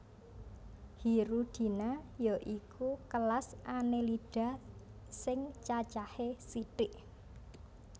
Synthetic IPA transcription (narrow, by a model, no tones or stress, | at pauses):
hiɾud̪̥i̤najɔʔikukəlasanelid̥a̤ | sɪŋt͡ʃat͡ʃahesiʈɪʔ